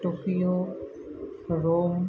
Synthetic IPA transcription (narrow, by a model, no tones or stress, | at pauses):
ʈoːkijo | ɾoːm